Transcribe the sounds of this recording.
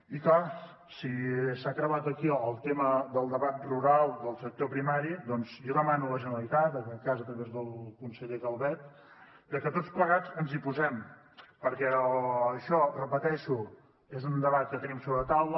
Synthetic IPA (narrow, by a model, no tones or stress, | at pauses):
ikla | sisakɾəβat̪əkiəlˠt̪eməd̪əlˠd̪əβat̪̚ruɾalˠd̪əlˠsək̚t̪opɾimaɾid̪ɔnzjɔðəmanuləʒənəlit̪at̪əkɛkazət̪ɾəβezðəlˠkunsəʎekəlˠβɛt̪ | d̪əkət̪ott͡sspləɣad͡zənzipuzɛm | pəɾkɛːʃɔrəpət̪ɛʃu | ezund̪əβat̪̚kət̪ənimsoβɾəət̪awlə